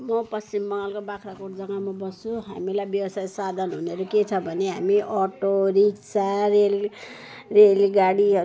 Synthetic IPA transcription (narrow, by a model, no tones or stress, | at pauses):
mʌpʌst͡simːʌŋlkobakʰɾakuʈd͡zʌŋamabʌst͡sʰuɦa̰milajbjʌwʌsajsad̪ʱʌnɦuneɾuket͡sʰʌbʱʌneɦamiʔʌʈoɾikt͡sarel | relɡaɽiʌ